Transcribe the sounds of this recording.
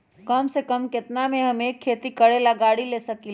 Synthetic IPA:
kəmsekəmket̪nameɦəmekʰːet̪ikəɽelaɡaɽilesəkil

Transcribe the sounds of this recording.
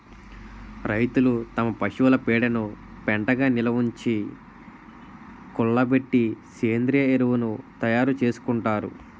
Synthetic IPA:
ɾɐjt̪ulut̪ɐmɐpɐʃiʋɐlɐpɛːɽɐnu | pɛɳʈɐɡaːnilɐʋuɲt͡ʃi | kuɭːɐbe̞ʈːiseːnd̪ɾijɐeɾuʋunut̪ɐjaːɾut͡ʃe̞ːsu̥kuɳʈaːɾṵ

